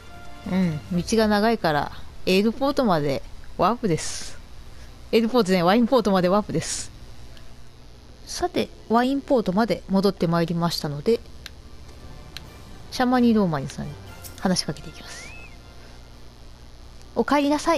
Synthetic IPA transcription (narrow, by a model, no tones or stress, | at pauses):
ɯ̟̃ɴmʲit͡ɕiɡanaɡaikaɾa̰eːɾɯ̟po̞ːt̪o̞mad̪e̞βapɯ̟d̪e̞sɨ̥ | e̞ːɾɯ̟poːt̪oaβaĩmpo̞ːt̪o̞mad̪e̞βapɯ̟d̪e̞sɨ̥ | sat̪e̞̰ | βaĩmpo̞ːt̪o̞mad̪e̞mo̞d̪o̞t̪ːe̞maeɾʲimaɕi̥t̪ano̞d̪e̞ | ɕamaɲ̟iɾo̞ːmaɲ̟isã̰ɲ̟ihanaɕi̥kake̞t̪e̞ikʲimasɨ̥ | o̞kaeɾʲinasai